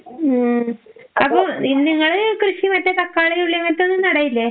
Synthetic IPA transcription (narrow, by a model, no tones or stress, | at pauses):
ɐpːoiniŋːɐɭkrɨʂimɐtːɐt̪ɐkːaːɭeuɭːimɐt̪ːonːɨnɐɽɐjilːe